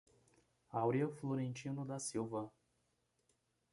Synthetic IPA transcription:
awɾiɐfloɾẽnt͡ʃĩnʊd̪ɐsiwvɐ

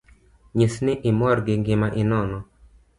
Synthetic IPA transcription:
ɲisnɪʔɪmɔrɡɪɡɪmaʔɪnɔnɔ

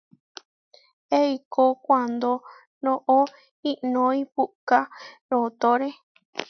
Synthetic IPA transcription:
eikokʷand̪o | nõʔo | iʔnõĩpuʔkaɾot̪oɾe

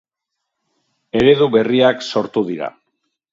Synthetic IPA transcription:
e̞ɾe̞ðuβe̞riakso̞ɾt̪uðiɾa̰

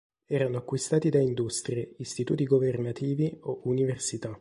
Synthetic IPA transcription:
ɛːɾanoakːwist̪aːt̪id̪aind̪ust̪ɾjeist̪it̪uːt̪iɡovernat̪iːvioʔuniversit̪a

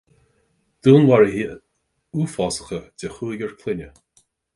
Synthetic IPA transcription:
d̪̥unwaɹəɦiː | uːfɔsə̥xədɛxuːɡʲəɹkʰlɪnʲə

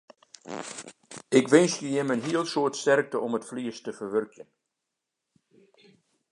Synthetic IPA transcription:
ɪkʋɪnsjəjɪmənɦiəlˠsoətstɛrk̚təɔmətfliəstəfərʋørkjən

